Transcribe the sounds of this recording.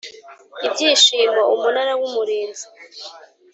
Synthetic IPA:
ibɟiːʃiːmwaʔumunaɾawumuɾeːnzi

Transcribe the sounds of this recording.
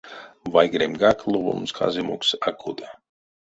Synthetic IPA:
vajɡɾemɡaklˠuvṵmskʰa̰zimuksakʰud̪a

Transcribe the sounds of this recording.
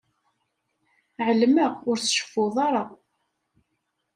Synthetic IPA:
ʕəlməʁʊɾt͡sʃə̥fːʊðˤɑɾˤɑ

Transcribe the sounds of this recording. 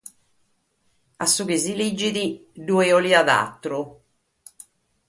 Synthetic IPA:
asːukisilid͡ʒid̪id̪ueɔliad̪a̰t̪ːɾu

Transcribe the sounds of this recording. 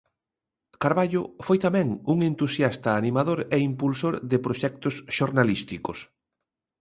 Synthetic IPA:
kaɾβaʎʊfojt̪amɛ̃ŋuŋent̪usjast̪ɐːnimaðoɾɛimpulsoɾðɪpɾoʃɛk̚t̪ʊsʃoɾnalist̪ikʊs

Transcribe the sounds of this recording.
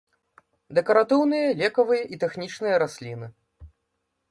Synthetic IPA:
d̪ɛkɐɾat̪ɨwnɨjɐlʲɛkɐvɨjɐʔit̪ɛxnʲit͡ʂnɨjɐɾasʲlʲinɨ

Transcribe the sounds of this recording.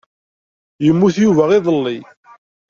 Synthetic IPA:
jəmːuθjuvæʁiðˤəlːi

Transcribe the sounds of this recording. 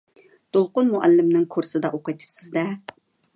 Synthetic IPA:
d̪̥olˠqʊnmuʔælːɪmnɪŋkʰuɾsɨd̪ɑʔoqɨt̪ʰɨ̥psɪzd̪ɛ

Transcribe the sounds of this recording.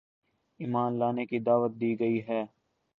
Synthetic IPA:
iːmaːnlaːnekid̪aːʋət̪̚d̪iːɡɐiɦɛː

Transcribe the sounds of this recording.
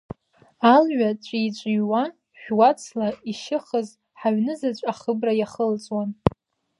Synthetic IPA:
alɥat͡ʃʷʼiit͡ʃʷʼɪjwa | ʃᶣwat͡sʰlaiʃɪχəz | ħaɥnɨzat͡ɕʷʼaχəbrajaχəlt͡sʼwan

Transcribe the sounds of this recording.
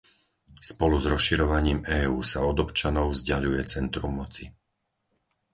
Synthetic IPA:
spɔluzɾɔsʃiɾɔʋaɲiːmɛːuːsaɔd̪ɔpt͡ʃanɔʊvzɟaʎujɛt͡sɛnt̪ɾumːɔt͡si

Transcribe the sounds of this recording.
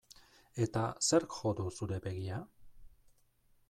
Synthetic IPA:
e̞t̪ase̞ɾkxo̞d̪usuɾe̞be̞ɣia

